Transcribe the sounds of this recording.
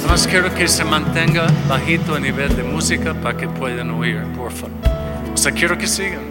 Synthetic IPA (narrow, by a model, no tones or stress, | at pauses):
maskjeɾokesemãnt̪ẽŋɡabaxit̪oaniβeld̪emusikapaɾakepweðanoiɾpoɾfan | osekjeɾokesiɣa